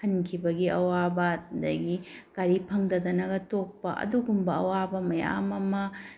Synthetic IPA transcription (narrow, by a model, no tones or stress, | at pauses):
hʰɐnkʰibɐɡiʔɐwabɐdɐ̰ɡikaɾipʰɐŋdɐd̪ɐnɐɡɐtok̚pɐʔɐ̰duɡumbɐɐ̰wabɐmɐja̰mɐmɐ